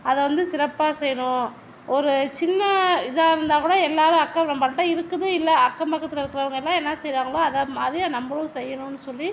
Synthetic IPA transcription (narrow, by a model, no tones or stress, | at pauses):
ɐðɛʋɐnd̪ɯsɪɾɐpːaːsɛjːɐɳʊ̃ | ʔɔɾɯt͡ʃɪnːɐɪðaːɪɾɯnd̪aːkuːɽɐɛlːaːðɯɐkːɐnɐmːbɐlɐʈːɐːɪɾɯkːɯðɯɪlːɐɐkːɐmpɐkːɐt̪ːɪlɐɪɾɯkːɯɾɐʋɐŋɡɐɛlːãːɛnːɐsɛjɾaːŋɡɐɭoɐðɐmaːd̪ɾijaːnɐmbɐɭɐɯsɛjːɐɳʊ̃nːɯsɔlːi